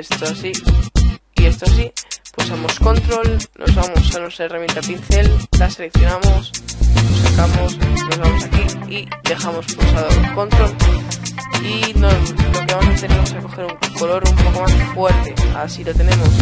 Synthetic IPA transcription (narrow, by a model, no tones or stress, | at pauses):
est̪oasi | ie̞st̪oas̬iposamo̞sko̞nt̪ɾo̞lnʔo̞zβamo̞sanwest̪ɾaeramjent̪apin̟θe̞llase̞le̞kθjo̞namo̞slosakamosnozβamo̞sakiiðe̞xamo̞sposaðooko̞nt̪ɾo̞l | inookamasant̪enemosako̞xe̞ɾuŋkolo̞ɾumpo̞ko̞masfwe̞ɾt̪e̞asilot̪e̞nẽ̞mo̞s